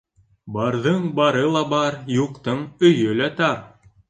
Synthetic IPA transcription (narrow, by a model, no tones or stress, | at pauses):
bɑɾðɤɴbɑɾɤlˠɑbɑɾjuqt̪ɤɴɵ̆jɵlæt̪ɑɾ